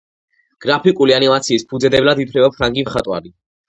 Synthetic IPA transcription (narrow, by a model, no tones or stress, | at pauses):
ɡ̥ɾapʰikʼulianimat̪sʰiːspʰud̪zɛd̪ɛblad̪it̪ʰɾɛbapʰɾaŋɡimχat̪ʼwa̰ɾi